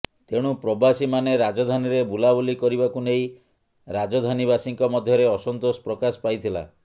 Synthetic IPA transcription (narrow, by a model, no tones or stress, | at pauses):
t̪eɽ̃upɾɔbasimaneɾad͡ʒɔd̪ʱaniɾebulabulikɔɾibakunej | ɾad͡ʒɔd̪ʱanibasiŋkɔmɔd̪ʱjɔɾeɔsɔnt̪osɔ̥pɾɔkasɔ̥pajt̪ʰila̰